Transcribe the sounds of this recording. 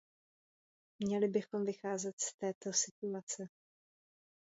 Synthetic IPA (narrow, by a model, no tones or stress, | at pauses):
mɲɛlɪbɪxo̞mvɪxaːzɛt̪st̪ɛːt̪o̞sɪt̪uat͡sɛ